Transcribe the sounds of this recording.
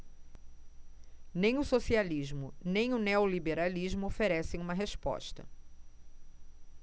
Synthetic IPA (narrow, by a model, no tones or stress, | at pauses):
nẽj̃ʊsosialiʒmʊnẽj̃ʊneolibeɾaliʒmʊofeɾɛsẽj̃ũmɐɦeʃpɔ̰ʃt̪ɐ̰